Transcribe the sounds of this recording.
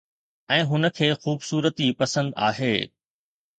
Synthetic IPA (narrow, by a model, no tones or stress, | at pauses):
ɛ̃ːɦʊnə̆kʰeːxuːbsuːɾət̪ipɐsə̃nd̪a̰ːɦeː